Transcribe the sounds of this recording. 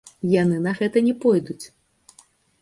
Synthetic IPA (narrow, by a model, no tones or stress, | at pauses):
janɨnɐɣɛt̪ɐnʲɛpɔjd̪ut͡sʲ